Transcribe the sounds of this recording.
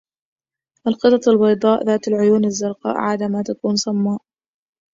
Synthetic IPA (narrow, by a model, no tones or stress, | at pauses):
ʔalqɨt̪ˤɑt̪ˤalbɑjd̪ˤɑːʔðaːt̪alʕʊjuːnazːʊɾˤqɑ̰ːʔʕa̰d̪amat̪akuːnsˤɑmːɑːʔ